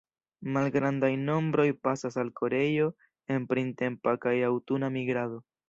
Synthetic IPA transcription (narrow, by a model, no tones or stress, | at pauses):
malɡɾandajno̞mbɾo̞jpasasalkʰo̞ɾe̞jo̞ | e̞npɾinte̞mpakajawtunamiɡɾado̞